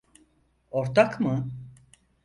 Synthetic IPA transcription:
ɔɾt̪ʰakmɯ

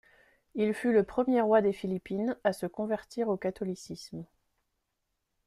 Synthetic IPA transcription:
ilfyləpχəmjeʁwad̪efilipinasəkɔ̃vɛʁt̪ʰiʁokat̪ɔlisism

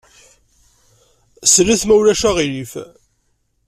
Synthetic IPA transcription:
sɾiθmæwlæʃæʁilif

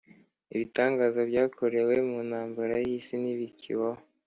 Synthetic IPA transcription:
iβitaːŋɡaːzabɟaːkʰoɾe̞we̞munaːmbaɾajiːsiniβicḭβo

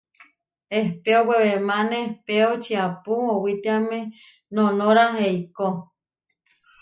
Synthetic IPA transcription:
ehpeoweβemanehpeot͡ʃiapuowit̪eamẽ | nonoɾaɦeiko

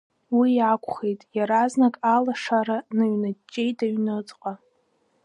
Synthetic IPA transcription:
wiakʷʰʼχejtʼjaɾaznakʼalaʂaɾanɨɥnat͡ʃʼːejtʼaɥnɨt͡sʼqʼa

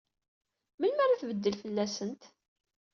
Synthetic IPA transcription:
məlmæɾaθvəd̪ːəlfəlːæsənt̪

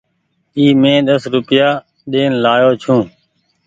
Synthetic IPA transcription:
iːmẽːɗ̪əsɾʊpɪjaː | ɗeːnlaːjoːt͡ʃʰũː

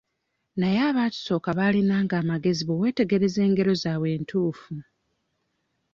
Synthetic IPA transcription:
najaːβaːtu̥so̞ːkaβalinaːŋɡaːmaɡe̞ziβowe̞ːte̞ɡe̞ɾe̞ze̞ːŋɡe̞ɾo̞zaːwe̞ːntʰuːfu

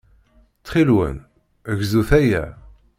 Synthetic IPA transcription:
t͡sːχilwə̰n | əʝzuθæjæ̰

